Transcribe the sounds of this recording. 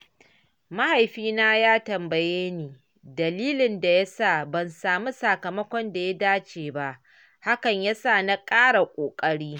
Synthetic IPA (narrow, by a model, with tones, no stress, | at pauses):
ma˦ha˨jɸiː˦naː˦jaː˦tɐ˨mbɐ˨jeː˦niː˨ | dɐ˨liː˦lɪ˨nda˨ja˦saː˦˨bɐ˨nsaː˨mu˦sɐ˨kɐ˨mɐ˦kʷɔ˦nda˨ja˦daː˦t͡ʃeː˨ba˦ʔ | ha˦kɐ˨ɲja˦saː˦˨na˦kʼaː˦ɽa˨kʷʼoː˨kʼɐ˦ɽiː˦